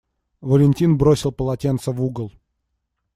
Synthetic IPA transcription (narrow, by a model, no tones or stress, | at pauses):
vəlʲɪnʲtʲinbɾosʲɪlˠpəlˠɐtʲent̪səvuɡəlˠ